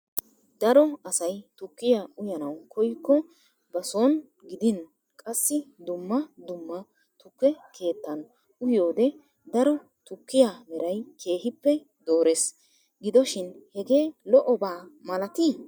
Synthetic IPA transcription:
d̪ɐɾɔɐsɐjt̪ʊkːɪjaʊjɐnɐwkʰɔjkːɔ | bɐsoːn | ɡɪd̪ɪn | kʼɐsːɪd̪ʊmːɐd̪ʊmːɐ | t̪ʊkːɛkʰe̞ːt̪ːɐn | ʊjjoːd̪ɛ | d̪ɐɾɔ | t̪ʊkːɪjamɛɾɐjkʰe̞ːhɪpːɛ | d̪o̞ːɾe̞ːs | ɡɪd̪ɔʃɪnhɛɡe̞ːlɔʔɔbaːmɐlɐt̪i

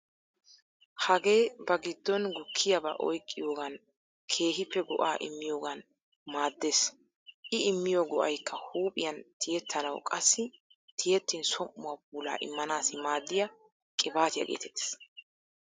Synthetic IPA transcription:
hɐɡe̞ːbɐɡɪd̪ːɔnɡʊkʰːɪjɐbɐ̰ʔɔjkʼːɪjo̞ːɡɐn | kʰe̞ːɦɪpːɛɡɔ̰ʔaːʔɪ̰mːɪjo̞ːɡɐn | maːd̪ːeːs | ʔɪɪmːɪjoːɡɔʔɐjkʰːɐhuːpʼɪjɐnt̪ʰɪjɛt̪ʰːɐlɐwkʼɐsːɪ | t̪ʰɪjɛt̪ːɪnsɔmːʊwab̚uːla̰ːʔɪ̰mːɐnaːsɪmaːd̪ːɪjɐ | kʼɪbaːt̪ɪjɐ̰ɡḛːt̪ɛt̪ːe̥ːs

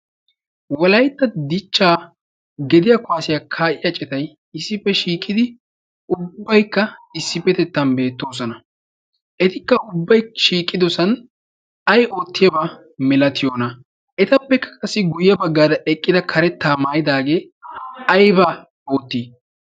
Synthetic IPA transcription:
wɐlɐjt̪ːɐd̪ɪt͡ʃːaː | ɡɛd̪ɪjaːkʊaːsɪjakʰaːʔɪjɐt͡ʃʼɛt̪ɐj | ɪsːɪpːɛʃiːkʼɪd̪ɪ | ʊbːɐjkːɐɪsːɪpːɛt̪ɛt̪ːɐnbe̞ːt̪ːo̞ːs̬ɔnɐ | ʔɛt̪ɪkːɐʔʊbːɐjʃiːkʼːɪd̪ɔsɐn | ɐjo̞ːt̪ːɪjɐbɐ | mɛlɐt̪ɪjo̞ːnɐ | ʔɛt̪ɐpːɛkːɐ̥kʼɐsːɪɡʊjːɐbɐɡːaːd̪ɐʔɛkʼːɪd̪ɐkʰɐɾɛt̪ːaːmaːjɪd̪aːɡe̞ː | ɐjbɐ | oːt̪ːiː

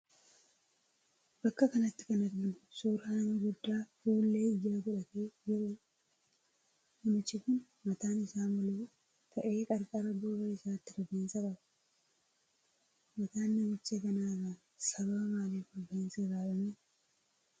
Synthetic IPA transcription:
b̥ɐkːɐkɐnɐt̪ːɪ̥kɐnɐɾɡɪnʊ̥soːɾhaːniɡʊd̪ːaːfuːlːe̞ːɪjːaːkʊᶑɐt̪eːd͡ʒɪɾʊ | nɐmɪt͡ʃːɪkʊn | mɐt̪aːnɪsaːmɔleː | t̪ʰɐʔeːkʼɐɾkʼaːɾɐb̪oːbɐɪsaːt̪ːɪfɔbeːnsɐkʼɐbɐ̥ | mɐt̪aːnːɐmɪt͡ʃːeɡɐnaːraː | sɐβaːmaːleːfɐbɐɪnseɡaːbɐme

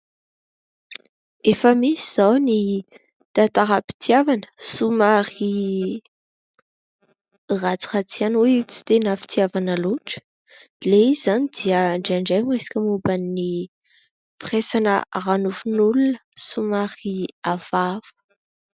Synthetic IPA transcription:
efəmisiz̥awni | t̪at̪aɾapi̥t̪iavanə̥sumaɾi | rat͡si̥χat͡sianet͡si̥t̪enafi̥t̪iavanəluʈ͡ʂə̥ | leizanid̪iəɳɖ͡ʐeaɳɖ͡ʐejmesi̥kʲəmubanːi | firesanə̰ranufunulunə̥sumaɾiav̥av̥ə̥

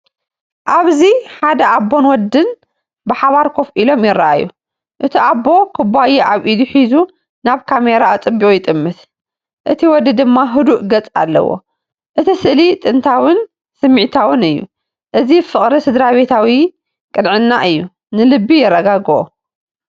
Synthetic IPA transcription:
ʔaβziħad̪ɐabːonwɔd̪ːɨn | bɨħaβaɾkʰo̞fʔilo̞mjɪrːaʔa̰jṵ | ʔɨt̪ʰiʔabːo̞kʰɨbajeʔaβʔid̪uħizu | naβkʰameɾaːt͡sʼɨbːiʔʼujɪt̪ʼɨmːɨt̪ | ʔɨt̪ʰiwɔd̪ɨd̪ɨmːaɦɨd̪uʔɡɐt͡sʼa̰lːɐ̰wo̰ | ʔɨt̪ʰisɨʔlit̪ʼɨnt̪ʰawɨn | sɨmːiʕt̪ʰawɨnɨjːṵ | ʔɨzifɨχʼɾisɨd̪ɾaβet̪ʰawi | kʼɨnʕɨnːaʔɨjːu | nɨlɨbːijɛrːɐɡaɡʔo̰

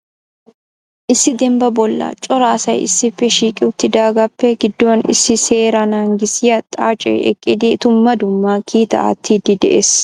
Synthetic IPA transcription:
ʔɪsːɪd̪ɛmbɐbɔlːa̰ːt͡ʃʼɔɾaːsɐjʔɪ̰sːɪfɛʃiːkʼɪʊt̪ːɪd̪aːɡɐpːɛɡɪd̪ːoːnɪ̰sɪseːɾanaːŋɡɪsɪjɐt̪ʼaːt͡ʃʼɛ̰ɛ̰kʼːɪd̪it̪ʊmːɐd̪ʊmːaːkʰiːt̪ɐ̰ʔɐ̰t̪ʰːiːd̪ɪd̪ɛ̰ʔes

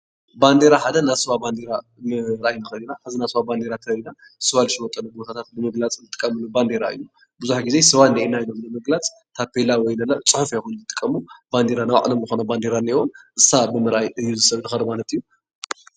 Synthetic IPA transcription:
band̪e̞ɾaħad̪ɐnasɨwaband̪eɾa | mɨɾʔajnɨxɐlinaħazinasɨwaband̪e̞ɾat̪ʰɐlina | sɨwalɨʃwɔt̪ʼɐnubo̞t̪ʰat̪ʰat̪̚bɨmɨɡlat͡sʼnɨt̪ʼɨkʼːɐmɨluband̪e̞ɾa̰ɨ̰jːu | bɨzuħɡize̞sɨwaniʔenajilomnɨmɨɡlat͡sʼ | t̪ʰapʰelawɔjnɐlɐt͡sʼɨħʊfjexunt̪ɨt̪ʼɨ̥kʼːɐmub̥and̪eɾanaw̰ʕ̰lomzɨxonaband̪eɾaniiwonʔɨsabɨmɨɾʔajɨjːuzɨsɐβnɨxɐɾmalɐt̪ɨjːu

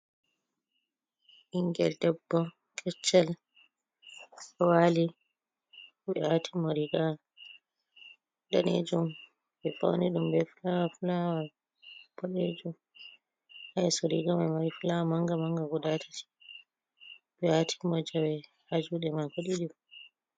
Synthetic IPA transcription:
ʔiŋɡɛ̰ldɛbːɔ | kʰɛt͡ʃːal | ɔwali | ɓɛatʰimoɾiɡa | ɗanḛd͡ʒum | bɛfa̰wniɗumbɛfulawafulawa | bɔɗed͡ʒum | hajsoɾiɡamamaɾifulawamaŋɡamaŋɡaɡɔdatʰḁti̥ | bɛatʰi̥mɔd͡ʒawɛ | had͡ʒuɗɛmakoɗiɗim

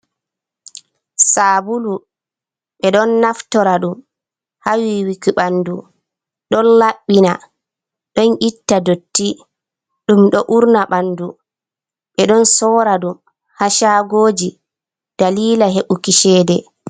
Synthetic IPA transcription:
sabulu | ɓɛɗɔnːaftɔɾaɗum | hawiwikiɓandu | ɗɔnlaɓːina | ɗɔnʔitːadotːi | ɗumɗɔʔuɾnaɓandu | ɓɛɗɔnsɔːɾaɗum | haʃaːɡoːd͡ʒi | d̥aliːlaɦeɓukiʃɛːdɛ

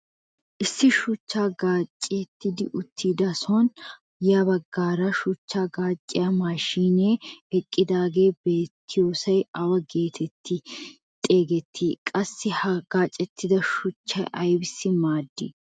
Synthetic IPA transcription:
ʔɪsːɪʃʊt͡ʃːaːɡaːt͡ʃʼːɪt̪ːɪd̪ɪʔʊt̪ʰːiːd̪ɐsɔn | jabɐɡːaːɾɐʃʊt͡ʃːaːɡaːt͡ʃʼːɪjɐmaːʃiːneːɛkʼːɪd̪aːɡe̞ːbeːt̪ʰːɪjo̞ːsɐjɐwɐɡe̞ːt̪ʰɛt̪ʰːɪ | t̪ʼe̞ːɡɛt̪ʰːiːkʼɐsːɪhɐɡ̥aːt͡ʃʼːɛt̪ːɪd̪ɐʃʊt͡ʃːɐjʔɐjbɪsːɪmaːd̪ːɪ̰

